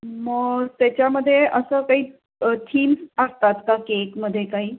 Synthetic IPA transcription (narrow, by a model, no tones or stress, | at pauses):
məɡt̪jat͡ɕjaməd̪ʱːjeʔəsəkaɦiː | t̪ʰiːmsəst̪at̪kakekməd̪ʱːjekaɦiː